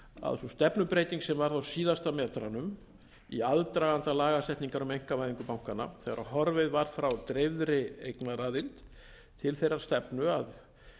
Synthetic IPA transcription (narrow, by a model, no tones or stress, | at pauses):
a̰ðsust̪ɛpnʏpɾeːjt̪iŋksɛmvaɾθawsiːðast̪amɛːt̪ɾanʏm | iaðt̪ɾaɣant̪alaːɣasɛht̪niŋkaɾʏmejŋ̥kavajðiŋkʏpawŋ̥kana̰θɛɣaɾaɦɔɾvɪðvaɾ̥fɾawt̪ɾevðɾɪejknaraːðɪlt̪ | t̪ʰɪlθejrːaɾ̥st̪ɛpnʏað